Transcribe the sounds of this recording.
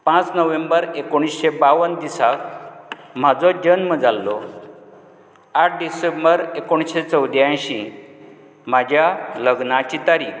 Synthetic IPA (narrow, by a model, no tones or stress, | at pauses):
pãt͡snəʋembəɾekoɽ̃isɕebaʋənd̪isak̚ | m̤ad͡zɔd͡ʑənməd͡zalːɔ̰ | aʈ̚ʰɖisembəɾekoɽ̃isɕet͡səwd̪jãjɕi | m̤ad͡ʑʱjaləɡnat͡ɕit̪aɾiːk